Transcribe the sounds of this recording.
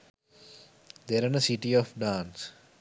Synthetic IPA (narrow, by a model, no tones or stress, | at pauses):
d̪eɾanəsiʈiɔfɖãːns